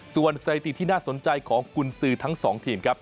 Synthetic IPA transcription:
su˨˩ənsa˧t̪i˨˩t̪ʰiː˥˩naː˥˩so˩˦nt͡ɕa˧jkʰɔː˩˦ŋkʰu˧nsɯː˧t̪ʰa˦˥ŋsɔː˩˦ŋt̪ʰiː˧mkʰa˦˥p̚

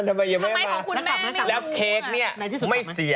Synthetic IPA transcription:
t̪ʰa˧mːa˧ja˨˩ma˥˩ma˥˩jkʰːkʰu˧nmɛ˦˥a˥˩lɛː˦˥wkʰeː˦˥k̚ni˥˩ɐ˧˥˧sma˥˩jsi˨˩˦

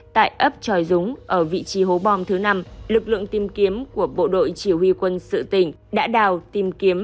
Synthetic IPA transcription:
t̪a̰ː˧˨jʔə˦˥p̚t͡ɕɔ˧˩jzʊ˨˦ŋ͡mʔəː˧˩vḭ˧˨t͡ɕi˨˦ɦo˨˦ɓɔ˧mt̪ʰɨ˨˦na˧mlɨ˨˩k̚lɨ̰˧˨əŋt̪i˧mki˨˦əmku˧˩əɓo̰˧˨ɗo̰˧˨jt͡ɕi˧˩hwi˧kwə˧nsɨ̰˧˨t̪ï˧˩ŋ̟ | ɗa̰ː˧˥ɗaː˨˩wt̪i˧mki˨˦əm

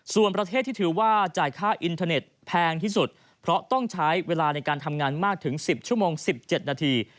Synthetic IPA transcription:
su˨˩ənpɾa˧t̪ʰeː˥˩t̪ʰːiː˥˩ɯː˩˦waː˥˩t͡ɕaː˨˩jkʰaː˥˩ʔi˧nt̪ʰaː˧ne˨˩t̪̚pʰɛː˧ŋt̪ʰiː˥˩su˨˩t̪̚ | pʰɾɔ˦˥t̪ɔ˥˩ŋt͡ɕʰa˦˥jweː˧laː˧na˧jkaː˧nt̪ʰa˧mŋaː˧nmaː˥˩k̚t̪ʰɯ˩˦ŋsi˨˩p̚t͡ɕʰu˥˩əmoː˧ŋsi˨˩p̚t͡ɕe˨˩t̪̚naː˧t̪ʰiː˧

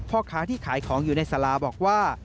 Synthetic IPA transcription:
pʰɔː˧kʰaː˩˦t̪ʰiː˥˩kʰaː˩˦jkʰɔː˩˦ŋjuː˨˩na˧jsa˧laː˧bɔː˨˩k̚waː˥˩

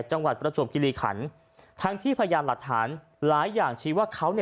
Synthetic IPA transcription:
t͡ɕa˧ŋwa˨˩t̪̚pɾa˧so˨˩p̚ki˧liː˧˩kʰa̰˩˦n | t̪ʰa˦˥ŋt̪ʰiː˥˩pʰa˧ja˧jaː˧nmla˨˩k̚t̪ʰa̰ː˩˦n | laː˩˦jːaː˨˩ŋt͡ɕʰiː˦˥waː˥˩kʰa˦˥wni˥˩

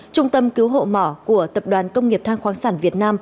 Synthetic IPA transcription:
t͡ɕʊ˧ŋ͡mt̪ə˧mki˨˦wɦo̰˧˨mɔ˧˩ku˧˩ət̪ə˨˩p̚ɗwaː˨˩nkə˧wŋ͡mŋi˨˩əp̚t̪ʰaː˧ŋxwaː˨˦ŋsaː˧˩nvi˨˩ət̚naː˧m

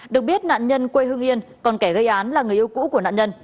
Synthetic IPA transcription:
ɗɨ˨˩ək̚ɓi˦˥ət̚na̰ː˧˨nɲə˧nkwe˧jɦɨ˧ŋʔi˧ənkɔ˨˩nkɛ˧˩ɣə˧jʔaː˨˦nlaː˨˩ŋɨ˨˩ʔi˧wkṵ˧˥ku˧˩əna̰ː˧˨ɲə˧n

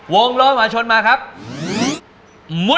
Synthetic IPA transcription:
wo˧ŋlɔː˦˥mhaː˧t͡ɕʰo˧nmaː˧kʰa˦˥p̚ | mu˦˥

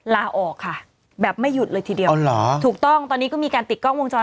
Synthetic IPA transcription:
laː˧ʔɔː˨˩kʰːa˥˩ | bɛː˨˩p̚ma˥˩jːu˨˩t̪̚lɤː˧jt̪ʰiː˧di˧ə˧lɔ̰˩˦t̪ʰuː˨˩k̚t̪ɔ˥˩ŋt̪ɔː˧nːiː˦˥kɔː˥˩miː˧kaː˧nt̪i˨˩t̪̚kɔ˥˩ŋwo˧ŋt͡ɕɔː˧

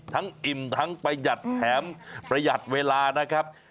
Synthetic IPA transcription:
t̪ʰa˦˥ŋʔi˨˩mt̪ʰa˦˥ŋpa˧jja˨˩t̪̚pʰɛː˩˦mpɾa˧ja˨˩t̪̚weː˧laː˧na˦˥kʰɾa˦˥p̚

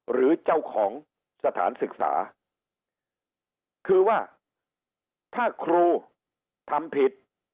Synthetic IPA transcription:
ɾɯː˩˦t͡ɕa˥˩wkʰɔː˩˦ŋ | sa˧t̪ʰa̰ː˩˦nsɯ˨˩k̚sa̰ː˩˦ | kʰɯː˧waː˥˩ | t̪ʰaː˥˩kʰɾuː˧ | t̪ʰa˧mpʰi˨˩t̪̚

